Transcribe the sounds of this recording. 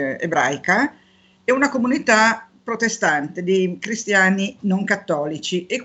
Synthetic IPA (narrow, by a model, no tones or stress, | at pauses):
ḛbɾa̰jka | ɛunakomunit̪apɾot̪est̪ant̪ed̪ikɾist̪jaːninoŋkat̪ːɔːlit͡ʃiek